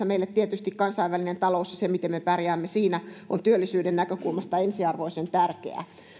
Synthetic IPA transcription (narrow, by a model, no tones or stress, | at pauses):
ɑmeilːet̪t̪iet̪yst̪ikkɑnsɑiʋːælinent̪ɑlousjɑsemit̪emmepærjæːmːesiːnæont̪yølːisyːdennækøkulmɑst̪ɑensiɑrʋoisent̪ærkḛæ̰